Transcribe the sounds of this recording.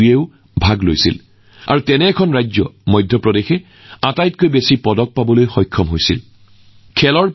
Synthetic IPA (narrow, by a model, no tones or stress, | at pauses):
jeʊ | bʱaɡlojsḭl | a̰ɹutɛnɛːkʰɔnɹajzɔmɔjdʱːjɔpɹɔdexɛ | atajt̚kojbesipɔdɔk̚pabɔlojxɔjkʰːɔmɦojsḭl | kʰɛlɔɹ